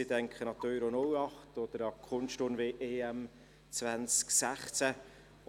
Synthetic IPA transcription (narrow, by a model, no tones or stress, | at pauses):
idɛŋkχənɑt̪œʏɾonʊwɑχtɔd̪̥əɾɑkʰχʊnstʊrnʋeːʔeːɛm | t͡svænt͡sksæχt͡sæ